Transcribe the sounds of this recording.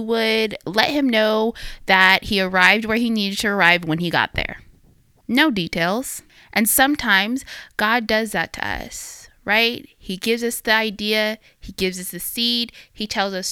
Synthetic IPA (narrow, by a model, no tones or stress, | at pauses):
wədlɛ̰t̚hɨ̃mnoʊðɨt̚hiə˞aɪvd̚wə˞iniɾɨd̚tʰɨə˞aɪvwə̃niɡɑ̰t̪̚ðə̰˞ | noʊditʰeɪlˠz̥ | ʔɨ̃nsʌ̃mtʰãɪ̃mz̥ɡ̥ɑdʌzðɨtʰɨ̰ʌ̰sɹaɪt̚hiɡɪvzʌsðiaɪdiɨ | iɡɪvzʌsðɨsid̥hitʰɛlˠzʌs